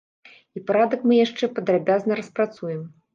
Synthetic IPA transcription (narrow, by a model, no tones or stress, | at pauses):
ipaɾad̪ɐkmɨjaʂt͡ʂɛpɐd̪ɾabʲaznɐɾɐspɾat̪sujɛm